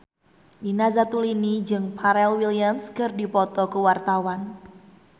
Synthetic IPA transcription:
dinazat̪ulinid͡ʒɨŋpʰaɾɛlwiliamskərdipɔt̪ɔkəwart̪awan

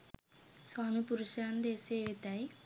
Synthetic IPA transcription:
saːnipuɾuʃaːnd̪eːseːʋit̪aːji

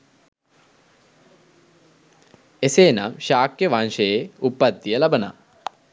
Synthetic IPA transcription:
eseːnamʃaːkjəʋanʃejeupːat̪ːijəlabəna̰

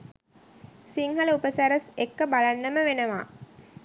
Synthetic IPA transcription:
siŋɦɐləupəsæɾəsekːəbalanːəməʋenəʋa̰ː

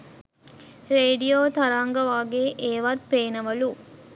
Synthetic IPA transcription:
ɾeːɖijoːt̪ɐɾaːŋɡɐʋaːɡeːʔeːʋat̪̚peːnɐʋɐlu

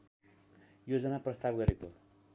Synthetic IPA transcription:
jod͡zʌnaprʌst̪abɡʌɾeko

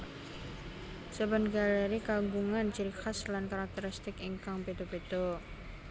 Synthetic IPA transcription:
səbənɡaleɾikaɡuŋant͡ʃiɾixaslankaɾak̚t̪əɾist̪ɪkiŋkaŋped̪opet̪o

